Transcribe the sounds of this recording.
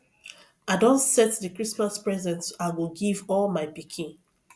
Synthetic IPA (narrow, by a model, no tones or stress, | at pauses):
aɪdɔ̃nsɛtdəkɹismaspɹɛzɛ̃ntsawiɡivɔlmaɪbikʰĩn